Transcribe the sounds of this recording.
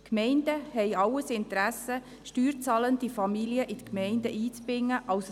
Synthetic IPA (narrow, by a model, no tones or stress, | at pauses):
kmɛɪnd̥əhɛɪɑwəsɪnt̪əɾæsə | ʃtyːɾt͡sɑːlənd̥̪ifɑmiliəʔɪt̪əkmɛɪnd̪əʔiːt͡sbɾɪŋːəʔɑws